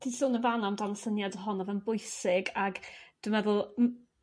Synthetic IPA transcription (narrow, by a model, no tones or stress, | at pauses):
tʰisʊːnəvanamdanɔsənjadəɦɔnavɛnbʊɨsɪɡaɡd̥wɪmɛðʊlˠ